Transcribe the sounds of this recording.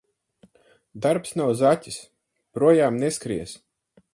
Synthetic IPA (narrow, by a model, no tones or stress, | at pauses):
d̪aɾpsnawzatʲi̥s | pɾuɔjaːmneskɾiɛs